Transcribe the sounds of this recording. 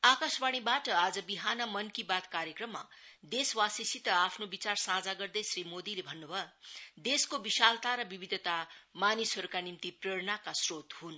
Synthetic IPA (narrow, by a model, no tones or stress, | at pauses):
akasbaɽ̃ibaʈʌad͡zʌbiɦanʌmʌnkibat̪kaɾjekrʌmːa | d̪eswasisit̪ʌapʰnobit͡sarsãd͡zaɡʌrd̪ʌjsrimod̪ilebʱʌnːubʱʌd̪eskobisalt̪aɾʌbibid̪ʱʌt̪amanisɦʌɾukanimt̪ipreɽnakasrot̪hun